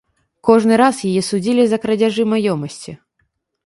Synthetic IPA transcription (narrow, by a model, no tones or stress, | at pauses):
kɔʐnɨɾasjajɛsud͡zʲilʲizɐkɾɐd͡zʲaʐɨmajɔmɐsʲt͡sʲi